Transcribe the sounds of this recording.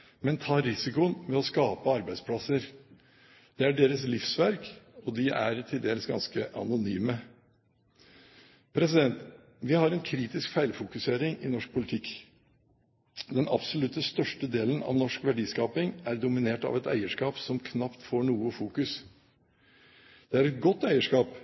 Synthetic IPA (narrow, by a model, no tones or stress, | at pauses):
mɛnt̪ʰɑːɾɪsɪkʊnmɛɔskɑːpəɑɾbæɪspʰlɑsəɾ | d̪̥ɛæɖeːɾəslɪfsʋæɾkɔd̪ɪʔæ̰ɾt̪ʰɪld̪eːɾəsɡɑ̰nskəʔɑ̰nʊnyːmə | pʰɾɛs̬ɪd̪ɛnt̪ | ʋɪhɑɾɛnkʰɾiːt̪ɪskfæɪlfʊkʉseːɾɪŋɪnɔʂk̚pʰʊlɪt̪ʰɪkː | d̪ɛnɑ̰psʊlʉt̪ːəst̪œʂʈəd̪eːlənɑ̰ʋnɔʂkʋæɖiːskɑːpɪŋæɾd̪ʊmɪneːʈɑ̰ʋɛt̪æ̰ɪəʂkɑːpsɔmkʰnɑpt̪foːɳuːəfuːkʉs | d̪̥ɛæɾɛt̪̚ɡɔt̪ːæɪəʂkɑːp